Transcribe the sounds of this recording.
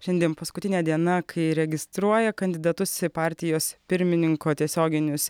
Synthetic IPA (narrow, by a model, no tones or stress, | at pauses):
ʃʲɛnd̪ʲeɛmpɐskʊt̪ʲɪnʲɛːd̪ʲiɛnɐkʰɐɪɾʲɛɡʲɪst̪ɾuɔjɛkɐnʲd̪ʲɪd̪ɐt̪ʊsɪpɑːɾʲt̪ʲɪjoːspʲɪɾʲmʲɪnʲɪŋkoːt̪ʲiɛsʲoːɡʲɪnʲʊs